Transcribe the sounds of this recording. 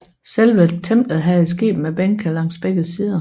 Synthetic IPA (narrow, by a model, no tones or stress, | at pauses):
selʋət͡sʰemb̥ləð̩ˠɦæisɡ̥e̝̰ːb̥m̩æb̥enkʰælɑ̈ŋ̰sb̥eɡ̥ð̩ˠsiːðˠə